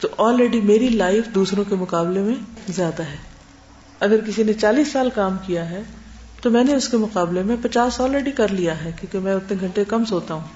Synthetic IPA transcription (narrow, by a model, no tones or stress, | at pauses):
t̪oʔɔːlɾɛːɖimeːɾilaːɪfd̪uːsɾõkemʊqaːblemẽzjaːd̪aɦɛː | ɐɡəɾkɪsinet͡ʃaːliːsːaːlkaːmkijaɦɛː | t̪omɛ̃ːneʊskemʊqaːblemẽpɐt͡ʃaːsɔːlɾɛːɖikɐɾlijaɦɛːkjõːkemɛ̃ʊt̪neɡʱɐ̃ɳʈekɐmsoːt̪aɦũː